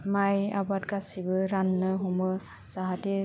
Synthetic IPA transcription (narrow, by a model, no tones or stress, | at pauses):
maja̰bat̚ɡasibɯɾanːɯɦumɯ | z̥aɦati